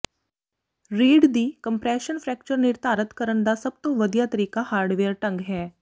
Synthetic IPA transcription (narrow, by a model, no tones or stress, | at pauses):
ɾiːɖd̪iːkɐ̃mpɾɛːʃənfʰɾɛːk̚t͡ʃəɾnɪɾt̪aːɾət̪kəɾəɳd̪asɐb̚t̪õʋɐd̪ijat̪əɾiːkahaːɾɖʋeːɾʈɐ̃ŋɡɦɛː